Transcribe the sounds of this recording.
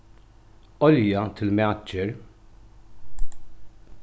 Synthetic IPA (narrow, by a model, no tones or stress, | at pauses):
ɔljɐt̪ʰɪlmɛɐd͡ʒɪɾ